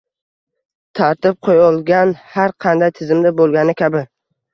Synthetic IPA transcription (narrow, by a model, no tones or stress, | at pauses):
t̪ʰaɾt̪ɪp̚qʰojɒlˠɡʲanhaɾqʰɑnd̪ajt̪ʰɪzɪmd̪abolˠɡʲanɪkʲʰabɪ